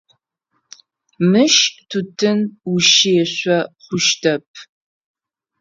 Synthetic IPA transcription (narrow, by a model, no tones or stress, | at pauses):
mɨʃtʰutʰɨnuʃeːɕʷɐχʷʊʃtʰɐp̚ʰ